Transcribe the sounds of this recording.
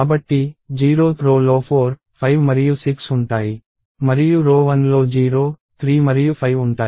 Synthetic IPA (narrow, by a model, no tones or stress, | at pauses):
aːbɐʈːid͡ʒiːɾoːt̪ʰɾoːloːpʰoːɾ | pʰɐjʋmɐɾijusiksuɳʈaːji | mɐɾijuɾoːʋɐnlo̞ːd͡ʒiːɾoː | t̪ʰɾiːmɐɾijupʰɐjʋuɳʈaː